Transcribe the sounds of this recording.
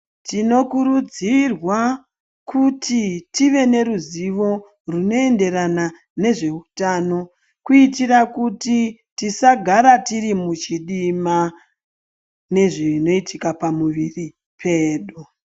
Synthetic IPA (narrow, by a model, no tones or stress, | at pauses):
tino̞kuɾud͡zirwa | kutitiʋe̞ne̞ɾuziʋo̞ | runo̞e̞nde̞ɾana | ne̞ʐe̞utaːno̞ | kuitirakuti | tisaɡʱaɾatirimut͡ʃiɗima | ne̞ʐino̞itʰikapamuʋiri | pʰe̞ːɗu